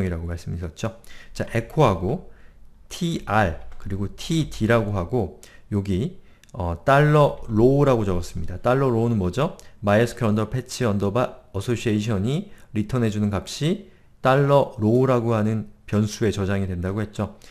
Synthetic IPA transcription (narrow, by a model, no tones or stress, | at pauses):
ŋiɾaɡomaɭs͈ɯmiʌt̚t͡ɕ͈ot͡ɕaʔe̞kʰoɦaɡo | tʰiaɭkɯɾiɡotʰitʰiɾaɡoɦaɡo | joɡi | ʌt͈aɭːʌɾoɾaɡot͡ɕʌɡʌs͈ɯmɲidat͈aɭːʌɾonɯnmʌd͡ʑʌmaijʌsʰɯ̥kʰɾʌndʌpʰe̞t͡ɕʰiʌndʌbaʌsʰoɕʰieiɕʰʌɲiɾitʰʌne̞d͡ʑunɯnkap̚ɕ͈i | t͈aɭːʌɾoɾaɡoɦanɯnpjʌnsʰue̞t͡ɕʌd͡ʑaŋidwe̞ndaɡoɦe̞t̚t͡ɕ͈o